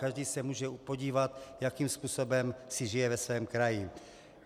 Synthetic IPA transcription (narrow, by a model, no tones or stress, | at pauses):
kaʒdiːsɛmuːʒɛpoɟiːvat̪jakimspuːso̞bɛmsɪʒɪjɛvɛsvɛːmkɾajɪ